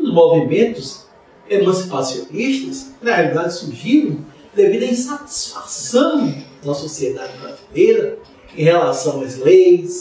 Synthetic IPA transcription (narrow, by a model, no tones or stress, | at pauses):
ʊzmovimẽnt̪ʊs | emɐ̃si̥pasioniʃt̪ɐsnɐhealid̪ad͡ʒɪsuɾʒiɾɐ̃w̃ | d̪evid̪ɐĩsat͡ʃi̥sfasɐ̃w̃d̪ɐsosied̪ad͡ʒɪbɾa̰zilejɾɐ | ẽj̃ɦelasɐ̃w̃ɐzlejs